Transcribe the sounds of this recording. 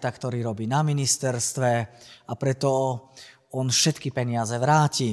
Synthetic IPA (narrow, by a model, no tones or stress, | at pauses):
t̪akt̪ɔɾiːɾɔbiːnaminist̪ɛɾst̪ʋɛapɾɛt̪ɔ | ɔnfʃɛt̪kipɛɲɪazɛʋɾaːci